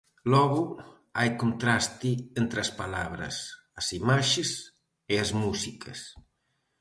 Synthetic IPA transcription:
lɔɣu | ajkont̪ɾast̪ient̪ɾɐspalaβ̞ɾɐ̰s | ɐsimaʃes | eazmusikʰɐs

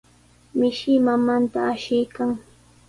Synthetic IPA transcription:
mɪʃɪmamant̪aːʃɪjkaŋ

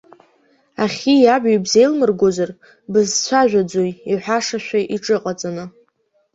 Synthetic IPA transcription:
aχʲijabijbze̞jlmɨrɡʷozar | bɨzt͡ɕʷʰaʒᶣad͡zojiħʷᶣaʂaʃᶣʷaʔiʈ͡ʂʼɨqʼat͡sʼanɨ

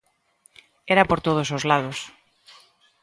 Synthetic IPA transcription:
eɾapoɾt̪oð̞osozlað̞os

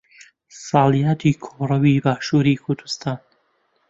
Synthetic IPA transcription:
sɑːlijaːt̪ʰiːkʰorɐwiːbaːʃuːɾiːkʰʊɾd̪ust̪ʰaːn

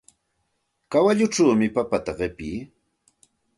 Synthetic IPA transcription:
kawaʎʊʈ͡ʂaːmɪpapat̪aɢɪpiː

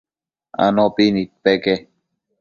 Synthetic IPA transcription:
a̰nopinit̪̚peke

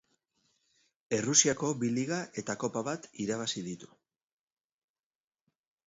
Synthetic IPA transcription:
e̞rusiako̞βiliɣaʔe̞t̪ako̞paβat̪iɾaβ̞asiðit̪u̥

